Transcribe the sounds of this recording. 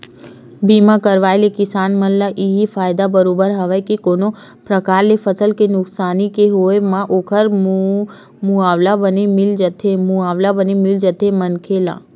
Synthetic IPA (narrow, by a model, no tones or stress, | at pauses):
bimãkəɾʋaelekɪsanməlːaʔiɦifajd̪abəɾobəɾɦəʋajkekono | pɾəkaɾlefəsəlkenʊksanikeɦojmãʔokʰəɾ | muaʋlabənemɪld͡ʒət̪ʰemuaʋlabənemɪld͡ʒət̪ʰemənkʰelã̰